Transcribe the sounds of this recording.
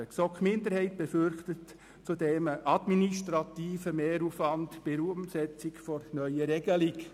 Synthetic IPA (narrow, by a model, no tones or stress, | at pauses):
əksɔkmɪndəɾhɛɪt̚b̥ɛfʏɾχtət | t͡sudɛməʔɑdminiʃtɾɑtiːfəmeːɾuːfvɑntb̥eɾuːəmsɛt͡sɪkfɔɾnœʏəɾɛɡ̥əlɪɡ